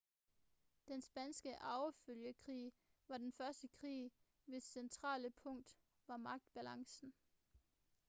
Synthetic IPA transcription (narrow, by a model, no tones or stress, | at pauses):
d̥ensb̥ænsɡ̥əʔɑ̈ʊføljəkʰʁḭː | ʋɑ̈d̥enfɶɐsd̥əkʰʁḭː | ʋe̝sent͡sʰʁɑ̰̈ːləpʰɔ̽ŋ̰d̥ | ʋɑ̈mɑ̈ɡ̥̚d̥b̥ælɑ̈ŋsn̩